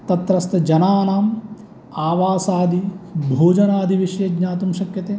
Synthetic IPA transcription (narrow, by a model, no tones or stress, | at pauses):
t̪ɐt̪ɾɐst̪ɐd͡ʒɐnaːnaːm | aːʋaːsaːd̪ʱibʱoːd͡ʒɐnaːd̪ʱiʋiʃjɐɡɲaːt̪umʃɐkjɐt̪eː